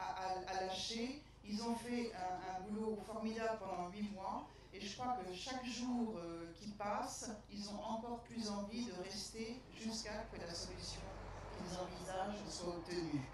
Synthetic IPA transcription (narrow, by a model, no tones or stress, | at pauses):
aaalaʃe | ilzɔ̃fɛɛ̃ɛ̃bulofɔʁmid̪abləpɑ̃d̪ɑ̃ɥimwa | eʒəkχwakəʃakʒuʁøkʲipasilzɔ̃ʔɑ̃kɔʁplyzɑ̃vid̪əʁɛst̪eʒyskakəlasɔlysjɔ̃dezɑ̃vizaʒswaɔp̚t̪əny